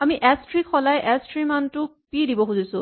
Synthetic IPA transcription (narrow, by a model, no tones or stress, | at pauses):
amiʔɛstɹikxɔlajʔɛstɹimantʊ | pidibɔxuzisʊ̃